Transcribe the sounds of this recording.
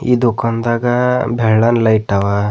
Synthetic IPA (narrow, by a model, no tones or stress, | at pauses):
ḭd̪ukɐnd̪aɡabʱɛɭːɐnlɐjʈɐʋa